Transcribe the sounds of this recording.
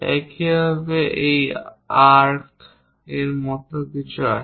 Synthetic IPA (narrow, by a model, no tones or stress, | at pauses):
ɛ̰kebʱabeʔej | aɾt̪ | eɾmɔt̪oɡit͡ɕɔa̰